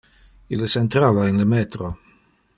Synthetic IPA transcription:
iləsɛnt̪ɾaːvainləmɛːt̪ɾo

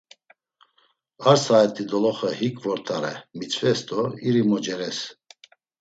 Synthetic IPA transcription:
aɾsaɛt̪ʰʼid̪ɔlɔχəhikʼvɔɾt̪ʰaɾɛ̰mit͡ʃʰvɛst̪ɔɾiɾimɔd͡ʒɛɾɛs

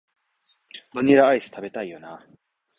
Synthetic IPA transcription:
banʲiɾaaisɨ̥t̪abe̞t̪aijona

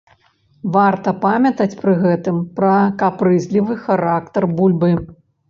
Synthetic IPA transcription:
vart̪ɐpamʲɐt̪ɐt͡sʲpɾɨɣɛt̪ɨmpɾɐkapɾɨzʲlʲivɨxaɾak̚t̪ɐrbulʲbɨ

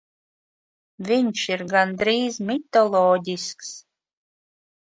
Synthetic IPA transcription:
vʲinʲʃiɾɡand̪ɾiːzmʲit̪olˠɔdʲisks

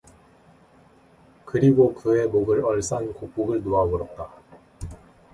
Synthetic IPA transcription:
kɯɾiɡokɯe̞moɡɯɾʌɭs͈ankok̚p͈uɡɯɭnoabʌɾʌt̚t͈a

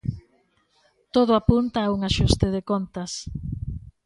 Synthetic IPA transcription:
t̪oðʊapunt̪ɐuŋaʃust̪eð̞ekont̪ɐs

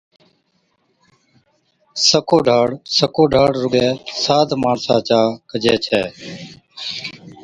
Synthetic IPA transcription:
səkoːɖʱaːɽsəkoːɖʱaːɽɾʊɠɛːsaːd̪ʱmaːɳsãːt͡ʃaːkəd͡ʒʱɛːt͡ʃʰɛː

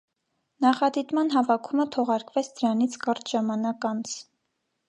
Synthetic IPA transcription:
nɑχɑd̪it̪mɑnɦɑvɑkʰumət̪ʰɔʁɑɾkvɛt͡sʰd̪əɾɑnit͡sʰkɑɾt̪ʒɑmɑnɑkɑnt͡sʰ

